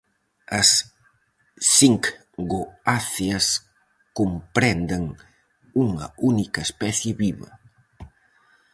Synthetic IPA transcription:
ɐs | iŋk | ɡoaθjɐs | kompɾɛnd̪ɐŋ | uŋɐ̰unikɐespɛθjɪβiβɐ̰

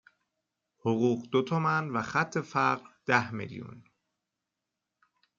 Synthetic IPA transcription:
hoɣuːɢd̪ot̪ʰomænvæxæt̪ʰːe̞fæɾɢɾd̪̥æhmḛljṵn

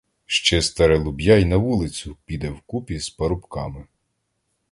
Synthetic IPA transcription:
ʃt͡ʃɛst̪ɐɾɛlˠʊbʲjɑjnɐʋulˠɪt͡sʲʊpʲid̪ɛwkupʲizpɐɾʊpkɑmɪ

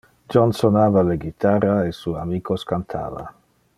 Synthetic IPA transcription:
d͡ʒɔnsonaːvaleɡit̪araesuamiːkoskant̪ʰa̰ːva̰

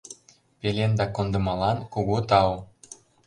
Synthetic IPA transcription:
pelʲend̪ɑkond̪ɤ̆mɑlɑnkuɣut̪ɑw

